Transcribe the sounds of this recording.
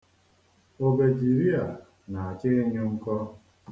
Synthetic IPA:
o˨be˨d͡ʒi˨ɾi˦a˨ | na˨a˨t͡ʃɪ˦ɲʊ˦ŋ̩˦kɔ˦

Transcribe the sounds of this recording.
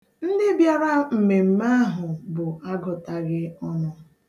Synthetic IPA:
n̩˦dɪ˦bja˦ɾa˦m̩˨me˨m̩˦ma˦a˦ɦʊ˨bʊ˨a˦ɡɔ˨ta˨ɣɪ˦ɔ˦nʊ˦

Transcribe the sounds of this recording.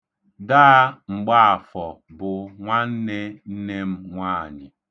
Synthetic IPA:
da˦ŋ͡m̩˨ɡ͡ba˦a˨fɔ˨ | bʊ˨ŋʷa˦n̩˦ne˦n̩˦ne˦m̩˦ŋʷaː˦˨ɲɪ˨

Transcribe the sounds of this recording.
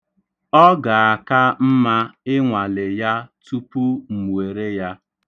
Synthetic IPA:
ɔ˦ɡa˨a˨ka˦m̩˦ma˦ɪ˦ŋʷa˨le˨ja˦tu˦pu˦m̩˨mwe˨ɾe˦ja˦

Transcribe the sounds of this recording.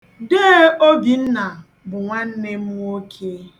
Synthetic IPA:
de˦o˦bi˨n̩˦na˨ | bʊ˨ŋʷa˦n̩˦ne˦m̩˦o˦kʰe˦

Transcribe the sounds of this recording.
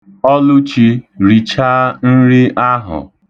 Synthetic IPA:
ɔ˦lʊ˦t͡ʃi˦ɾi˨t͡ʃa˦n̩˦ɾi˦ʔa˦ɦʊ̰˨

